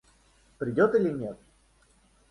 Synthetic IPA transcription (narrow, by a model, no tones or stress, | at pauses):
pɾʲɪdʲot̪ɨlʲɪnʲet̪̚